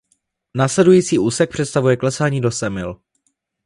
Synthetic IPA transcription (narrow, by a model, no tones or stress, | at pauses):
naːslɛdujiːt͡siːʔuːsɛk̚pr̥ɛt̪st̪avujɛklɛsaːɲiːdosɛmɪl